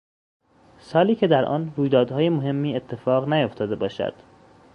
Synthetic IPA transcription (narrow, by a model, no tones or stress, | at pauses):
sɒːliːcʰe̞d̪æɾʔɒ̰ːnɾuːjd̪ɒːd̪hɒːje̞moɦe̞mːiːe̞t̪ʰːe̞fɒːɣnæjoft̪ʰɒːd̪e̞bɒːʃæ̰d̪̥